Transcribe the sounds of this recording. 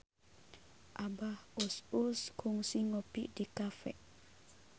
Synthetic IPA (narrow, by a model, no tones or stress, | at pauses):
ʔabahususkʰuŋsiŋɔpiʔdikafɛ̰ʔ